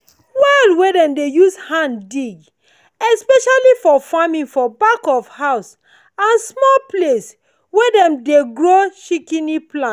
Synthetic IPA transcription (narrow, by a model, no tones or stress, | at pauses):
wɛlwedɛ̃mdejushãndiɡ | ɛspɛʃalifɔfamĩŋfɔbakɔfhaʊs | ãnsmɔlples | wɛdɛ̃mdeɡɹoʃikĩniplãn